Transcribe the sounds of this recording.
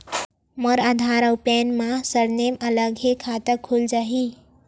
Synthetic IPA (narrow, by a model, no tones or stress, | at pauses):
məɾad̪ʱaɾəwpɛnmãsəɾnemələɡekʰat̪əkʰuld͡ʒaɦi